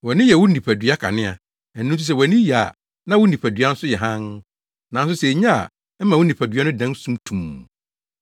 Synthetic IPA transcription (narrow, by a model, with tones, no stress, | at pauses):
wɔ˨nɪ̃˦jɛ˨wʊ̃˦ĩ˨pʰæ˨dɥa˦kʰa̰˨nɪ̃˦a̰˨ | ɛː˨˦ũ˦m˦s̬i˦s̬ɛ˨wɔ˨nɪ̃˦ja˨a˨ | nã˦wʊ˦n˦ĩ˨pʰæ˨dɥa˦n̩˦sʊ˦jɛ˨ɦã˦n | nã˨˦n˦s̬ʊ˦se˨˦ɲa˦a̰˨ | ɛ˦mã˨wʊ˦nĩ˨pʰæ˨dɥa˦nʊ̃˦dã˦n˦sũ˦mtʰũ˨m